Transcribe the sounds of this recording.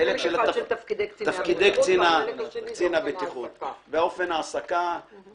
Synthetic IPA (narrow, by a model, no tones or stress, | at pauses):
elekʃela | t̪afkid̪ejkt͡sinakt͡sinabet̪iχut̪veao̞fenaːsaka